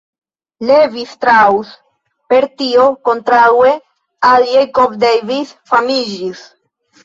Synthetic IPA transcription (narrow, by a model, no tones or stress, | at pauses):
le̞vistɾawus | pe̞ɾtio̞kontɾaue | aljejkovdejvisfamid͡ʒis